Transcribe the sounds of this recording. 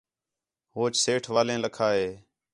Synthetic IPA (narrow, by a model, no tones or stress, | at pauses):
ɦoːt͡ʃseːʈʰʋaːlẽːləkʰaːɦeː